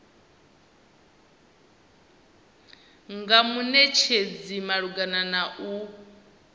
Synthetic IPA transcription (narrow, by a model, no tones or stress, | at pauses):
ŋɡamunɛt͡ʃʰed͡zimaɺuɡananaʔu